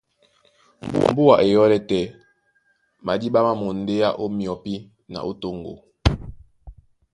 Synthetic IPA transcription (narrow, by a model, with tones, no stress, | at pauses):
m̩˨bu˦a˨ʔe˨jɔ˦lɛ˦tɛ˨ | ma˨di˦ɓa˦ma˦mo˨n̩˨de˦ja˦ʔo˦mjɔ˨pi˦ | na̰˨ʔo˦to˦ŋɡo̰˨